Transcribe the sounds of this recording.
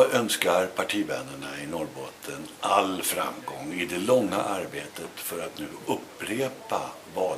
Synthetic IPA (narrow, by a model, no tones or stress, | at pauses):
œnskaɾpʰaʈʰiːvɛnəɳaɪnɔɾbɔt̪ʰːənʔalfɾa̰mɡɔŋːɪd̪ɛlɔŋːa̰ʔaɾbeːt̪ət̪fœɾat̪nʉ̟ːɵpːɾeːpa | vɑː